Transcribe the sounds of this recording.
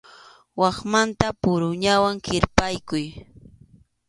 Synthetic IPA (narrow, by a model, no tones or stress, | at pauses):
wɑχmant̪apʊɾʊɲawaŋkɪɾpajkʊj